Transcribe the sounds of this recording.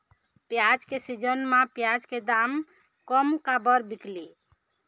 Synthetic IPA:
pjad͡ʒkesid͡ʒənmapjad͡ʒked̪am | kɔmkabəɾbikli

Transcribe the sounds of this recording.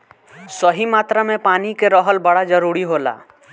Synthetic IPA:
səɦimaːt̪ɾamẽpaːnikeɾəɦəlbəɽad͡ʒəɾuɾiɦola̰ː

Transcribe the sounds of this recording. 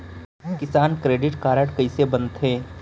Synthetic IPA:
kɪsaːnkɾeːɖɪʈkaːɾəʈkɐisebɐ̃nt̪ɦɛ̃ː

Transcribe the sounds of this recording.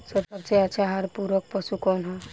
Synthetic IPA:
səbsəbseat͡ʃʰaɦəɾpuɾʋək̚pəsukɔːnɦɔ

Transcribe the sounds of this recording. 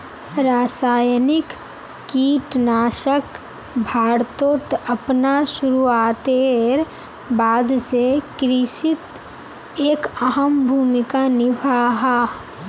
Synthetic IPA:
ɾaːsaːjnɪkː | iːʈnaːʃək | bʱaːɾt̪oːt̪əpnaʃʊɾuaːt̪eɾ | baːd̪sekɾɪʃɪt̪ | eːkəɦəmbʱuːmɪkanɪbʱaːɦa

